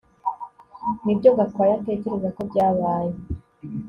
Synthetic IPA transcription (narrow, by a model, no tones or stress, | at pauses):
nibɟo̞ɡatkaːjate̞ːce̞ɾe̞zako̞bɟaːβaːje